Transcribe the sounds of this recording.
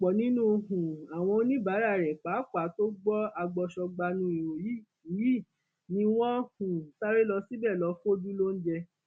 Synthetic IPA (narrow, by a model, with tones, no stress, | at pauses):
k͡pɔ˨nĩ˦nũ˦˧ɦũ˨a˨w̃ɔ̃˧o˦nĩ˦ba˨˦ɾa˦˨ɾɛ˨k͡pa˨˦k͡pa˨˦to˦ɡ͡bɔ˦a˧ɡ͡bɔ˧ʃɔ˧ɡ͡ba˧nũ˧i˨ɾo˨ji˨˦˨ | i˦˨ | nĩ˧w̃ɔ̃˦hũ˨ta˦ɾe˦lɔ˧si˦bɛ˦˨lɔ˧˦fo˦du˦lo˦n̩˦d͡ʒɛ˧